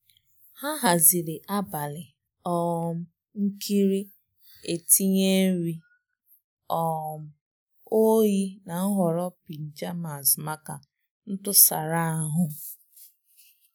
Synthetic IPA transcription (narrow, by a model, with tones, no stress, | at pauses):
ha˦ɦa˨zi˨ɾɪ˨ʔa˦ba˨lɪ˨ | ɔ˦m̩˦ | ŋ̩˦kʰi˦ɾi˦ | e˨ti˦ɲe˦ɾi˦ | ɔ˨m̩˨ | o˦ji˦na˨n̩˦ɦɔ˨ɾɔ˦pi˨d͡ʒa˦ma˨sma˦ka˨ | n̩˦tʊ˦sa˨ɾa˦a˨ɦʊ˦